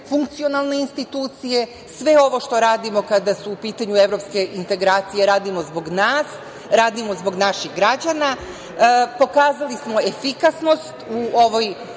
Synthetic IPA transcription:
fuŋk̚t̪sio̞nalˠne̞inst̪it̪uːt̪sije̞ | sʋe̞o̞ʋo̞ʃt̪o̞ɾaːd̪imo̞kad̪asuːpiːt̪aɲue̞ʋɾo̞pske̞ʔint̪e̞ɡɾaːt̪sije̞ɾaːd̪imo̞zbo̞ɡnaːs | ɾaːd̪imo̞zbo̞ɡnaʃiɣɡɾad͡ʑana | po̞kaːzalismo̞e̞fikasno̞st̪uo̞ʋo̞j

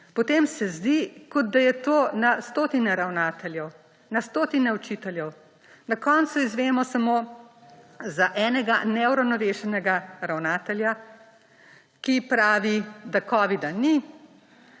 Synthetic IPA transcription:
pɔt̪eːmsɛzd̪ikɔd̪̚d̪ajɛt̪oːnast̪oːt̪inɛɾawnaːt̪ɛljɛw | nast̪oːt̪inɛut͡ʃit̪ɛljɛw | nakɔnt̪suizʋeːmɔsamo | zaʔɛːnɛɡanɛwɾɐwnɔɾeːʃɛnɛɡaɾawnaːt̪ɛlja | kipɾaːʋid̪akɔːʋid̪ani

